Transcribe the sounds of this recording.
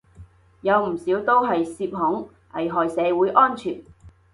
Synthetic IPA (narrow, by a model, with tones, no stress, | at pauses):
jɐ˨˧wm̩˨˩siː˨˥wt̪o˥wɦɐ˨jsiː˧p̚hʊ˨˥ŋ | ʔɐ̰˨˩jɦɔː˨jsɛː˨˧wuː˨˥jʔɔː˥nt͡ʃʰyː˨˩n